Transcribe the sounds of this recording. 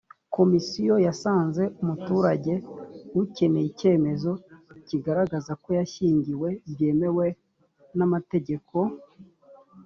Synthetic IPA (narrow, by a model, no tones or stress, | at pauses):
ko̞misijo̞jasaːnze̞ʔumutuːɾaɟe̞wuce̞ne̞jice̞ːme̞zo̞ciɡaɾaɡazako̞jaʃiːɲɟiwe̞bje̞ːme̞we̞ | namate̞ɟe̞kʰo̞